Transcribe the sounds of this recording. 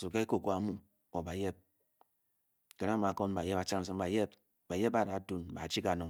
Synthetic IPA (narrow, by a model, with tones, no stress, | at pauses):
su˨ke˦ko˦˨ko˦a˦mu˦ | o˨ba˨je˦p̚ | ke˨ɾa˦ma˨ko˦n˦ba˨je˦pa˨˦t͡ʃa˦˨s̬i˦m˦ba˨je˦p̚ | ba˨je˦p̚a˦˨ɾa˨˦du˦nba˨t͡ʃi˦ka˨no˨